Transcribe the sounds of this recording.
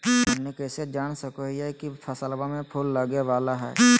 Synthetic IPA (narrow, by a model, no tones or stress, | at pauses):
ʊnnikeːsed͡ʒaːñsəkoɦiɦɛkit̪ʰɐsəlbamẽpʰulːəɡeʋaːlaɦɛ̰ː